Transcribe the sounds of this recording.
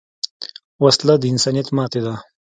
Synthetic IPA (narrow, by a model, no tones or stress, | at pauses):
wɐslad̪əinsaːnijɐt̪maːt̪ed̪a